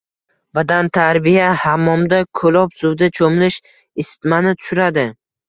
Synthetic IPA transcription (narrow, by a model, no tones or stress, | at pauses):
bad̪ant̪ʰaɾbijahamːɒmd̪akʰolɒpsʊwd̪at͡ʃʰomlɪʃ | ɪsɪ̥t̪manɪt̪ʰʊ̥ʃʊɾad̪ɪ